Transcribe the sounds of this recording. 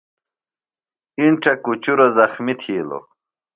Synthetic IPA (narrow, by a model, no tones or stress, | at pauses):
iɳʈ͡ʂɐkut͡ɕuɾozɐxmit̪ʰiːlo̰